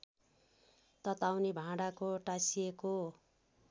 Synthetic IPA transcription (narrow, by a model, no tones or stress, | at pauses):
t̪ʌt̪awnibʱãɽakoʈasieko